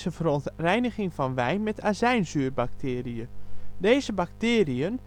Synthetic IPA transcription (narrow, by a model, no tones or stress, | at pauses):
zəvəɾontrɛjnəɣɪŋfɔnʋɛjnmɛtʰazɛjnzyːrbak̚tʰɪːriədeːzəbaktɪːriən